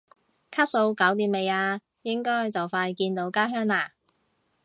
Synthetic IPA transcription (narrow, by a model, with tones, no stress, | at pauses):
kʰa˥t̚so˨˧wkɐ˨˥wt̪iː˨˥me˨˧jaː˧ | jɪ˥ŋkɔː˥jt͡sɐ˨wfaː˧jkiː˧nt̪o˨˧wkaː˥ɦœː˥ŋaː˨˩